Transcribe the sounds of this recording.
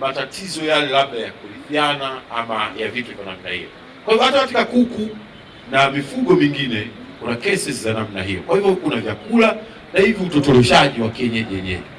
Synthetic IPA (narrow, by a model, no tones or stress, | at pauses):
matatizɔjalɛlaɓajakulivjanaamajavitɛvana̰mna̰hḭjɔ̰ | kwahivɔhataafikakuku | namifuɠɔmiŋɡinɛ | kunakɛsɛsizanamnaɦijɔ̰kwahivjɔkunavjakula | nahivjɔutɔtɔlɛʃaʄiwakɛɲaʄɛɲɛ̰ɛ